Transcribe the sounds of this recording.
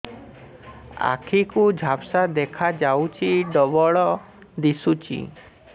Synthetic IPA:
a̰kʰikud͡ʒʱapsad̪ekʰad͡ʒawt͡ʃʰiɖɔbɔɭɔ | d̪isut͡ʃʰḭ

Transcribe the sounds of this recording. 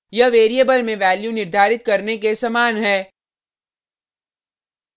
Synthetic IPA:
jɐʋeːɾiebəlmẽʋɛːljunɪɾd̪ʱaːɾɪt̪̚kɐɾnekesɐmaːnɦɛː

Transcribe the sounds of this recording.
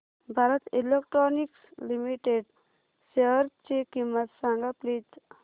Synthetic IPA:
bʱaɾət̪ilekʈɾonikslimiʈeɖ | seʋəɾt͡ʃekimət̪saŋɡaplit̪

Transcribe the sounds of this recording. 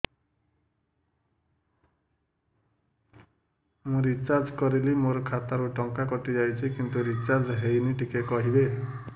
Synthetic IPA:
mũɾit͡ʃaɾd͡ʒkɔɾilimoɾɔkʰat̪aɾuʈɔŋkakɔʈid͡ʒajt͡ʃʰikint̪uɾit͡ʃaɾd͡ʒɦejniʈikekɔɦibe

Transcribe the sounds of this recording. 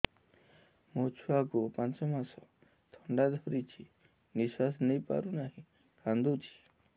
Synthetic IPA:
mot͡ʃʰuakupãnt͡ʃɔmasɔ | t̪ʰɔɳɖad̪ʱɔɾit͡ʃʰi | nisasnejpa̰ɾunaɦĩ | kʰand̪ut͡ʃʰi̥

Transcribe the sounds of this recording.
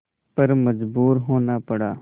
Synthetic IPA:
pəɾməd͡ʒbuːɾɦoːnaːpəɽa̰ː

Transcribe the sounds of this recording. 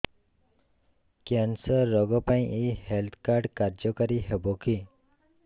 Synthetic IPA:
kɛnsəɾːɔɡɔpãĩʔihelt̪ʰkaɾɖkaɾd͡ʒɔkəɾiɦɛboki

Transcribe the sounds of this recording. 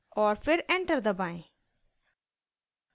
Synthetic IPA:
ɔːɾfʰɪɾɛ̃ɳʈəɾd̪əbãj̃

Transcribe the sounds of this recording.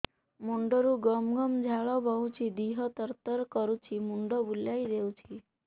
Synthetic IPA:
muɳɖɔɾuɡɔmɡɔmd͡ʒʱaɭɔbɔɦut͡ʃʰid̪iɦɔt̪əɾt̪əɾkɔɾut͡ʃʰimuɳɖɔbuljajd̪ewt͡ʃʰi

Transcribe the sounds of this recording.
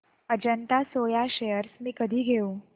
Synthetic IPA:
əd͡ʑənt̪asojaɕejəɾsmiːkəd̪ʱiːɡʱeũ

